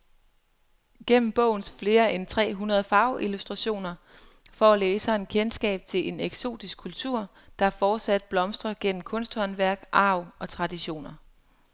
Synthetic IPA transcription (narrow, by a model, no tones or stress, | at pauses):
ɡ̥en̰m̩b̥ɔ̰̽ʊ̰n̩sfle̝ːɐʔent͡sʰʁɛ̰ːɦunʁɐð̞̩ˠəfɑ̈ʊʔilusd̥ʁɑ̈ɕo̝̰ːnɐ | fɒːleːsɑ̈e̝nkʰensɡ̥ɛ̰ːb̥̚t͡sʰe̝lʔe̝neɡ̥so̝̰ːd̥isɡ̥̚kʰːult͡sʰuɐ̰ | d̥ɑ̈fɒːd̥sæd̥̚b̥lɒ̽msd̥ʁɐɡ̥en̰m̩kʰɔ̽nsd̥hɒ̽nʋæɐɡ̥ʔɑ̈ʊɒ̽t͡sʰʁɑ̈d̥iɕo̝̰ːnɐ